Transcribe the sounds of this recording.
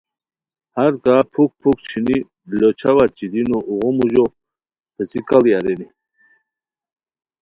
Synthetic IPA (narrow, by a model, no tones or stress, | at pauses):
haɾkapʰuk̚pʰuk̚t͡ɕʰini | lot͡ʃʰawat͡ɕid̪inoʔuʁɔmuʑo | pʰəsikalijaɾeni